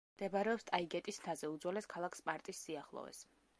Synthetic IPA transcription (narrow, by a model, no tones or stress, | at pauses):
md̪̥ɛbɾɛɔpst̪ʼaiɡɛt̪ʼisnt̪ʰazɛud̪zwɛlɛskʰalˠakʰspʼaɾt̪ʼisːiaχlˠɔ̰vɛ̰s